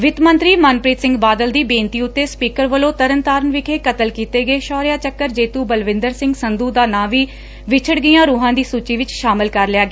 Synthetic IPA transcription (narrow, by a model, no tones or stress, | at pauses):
ʋɪt̪mə̃nt̪ɾiːmənpɾiːt̪sɪ̃ŋɡbaːd̪əld̪iːbẽːnt̪iːʊt̪ːeːspiːkəɾʋəlõːt̪əɾənt̪aːɾənʋɪkʰeːkət̪əlkiːt̪eːɡəeːʃɔːɾɪjaːt͡ʃəkːəɾd͡ʒeːt̪uːbəlʋɪ̃nd̪əɾsɪ̃ŋɡsənd̪uːd̪aːnãːʋiː | ʋɪt͡ʃʰəɽɡijãːɾuːɦãːd̪iːsuːt͡ʃiːʋɪt͡ʃʃaːmɪlkəɾlɪjaːɡe